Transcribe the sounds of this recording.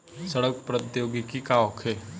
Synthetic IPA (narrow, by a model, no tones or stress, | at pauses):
sɐɽək̚pɾət̪joːɡikikaːʋokʰe